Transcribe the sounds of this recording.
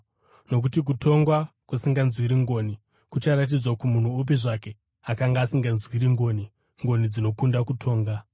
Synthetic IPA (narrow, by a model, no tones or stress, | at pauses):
no̞k̬utik̬utʰo̞ŋɡwakusiŋɡanzwiɾiŋɡo̞ːni | kut͡ʃaɾat̬id͡zwakumun̤uːp̬iʐake̞ | akaŋɡaːsiŋɡanzwiɾiŋɡo̞ːni | ŋɡo̞nid͡zino̞kundakutʰo̞ːŋɡa